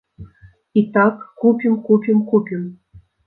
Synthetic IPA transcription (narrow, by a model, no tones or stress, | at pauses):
it̪ɑkːupʲimkupʲimkupʲim